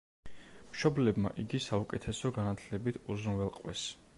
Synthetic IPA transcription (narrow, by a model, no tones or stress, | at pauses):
mʃɔblɛbma̰ʔiɡisaukʼɛt̪ʰɛsɔɡanat̪ʰlɛbit̪ʰuzunvɛlˠqʼwɛ̰s